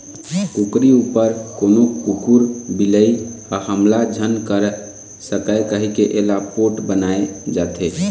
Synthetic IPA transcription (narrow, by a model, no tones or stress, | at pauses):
kukɾiupəɾkoːnokukuɾbiləiahəmlad͡ʒʱənkəɾ | səkəkəɦikeʔelapʰoʈbənaed͡ʒat̪ʰe